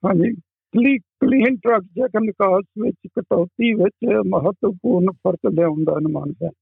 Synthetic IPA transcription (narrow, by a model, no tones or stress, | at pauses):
hãːd͡ʒiː | kliːkliːnʈɾəkd͡ʒɛːkənɪkaːsʋɪt͡ʃkəʈɔːt̪iːʋɪt͡ʃməɦət̪wəpuːɾnpʰəɾt̪lãːʊnd̪aːɦənma̰ːnsɛː